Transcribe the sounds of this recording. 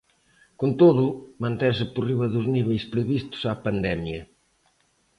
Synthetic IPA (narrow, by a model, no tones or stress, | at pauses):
kont̪oðʊmɐ̃nt̪esɪporiβɐðʊzniβejspɾeβist̪ʊ̥sapand̪ɛmjɐ